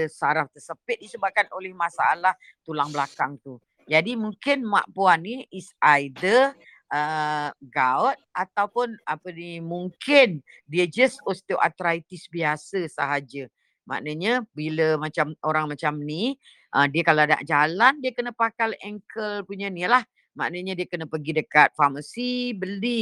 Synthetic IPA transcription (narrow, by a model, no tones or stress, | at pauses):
əsaɾaft̪əsəpɪt̪̚disəbap̚kanolɛhmasaalah | t̪ulaŋblakaŋt̪u | d͡ʒadimuŋkɪnma̰ʔpuanːiisajdə | əɡawt̪̚at̪awpʊnapənimuŋkɪndiəd͡ʒəsost̪ewʔa̰t̪ɾait̪isbiasəsaɦad͡ʒə | ma̰ʔnəɲəbiləmat͡ʃamoɾaŋmat͡ʃamni | ʔədiəkalaada̰ʔd͡ʒalandiəkənəpakalɛŋkʰəlpuɲənilah | maʔnəɲədiəkənəpəɡidəkat̪̚famasibəli